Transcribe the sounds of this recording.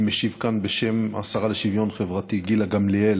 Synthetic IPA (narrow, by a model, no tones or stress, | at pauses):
meʃivkanbeʃema̰saʁaleʃivjo̞nχevʁat̪iɡilaɡamliel